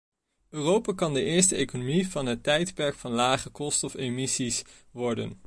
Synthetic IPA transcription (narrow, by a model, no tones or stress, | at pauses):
øːrowpaːkɑndəʔɪːɹstəejkonomiv̥ɑnɦətːɛjtpɛɹkfɑnlaːχəkɔstɔfemɪsis | ʋɔɹdə̰n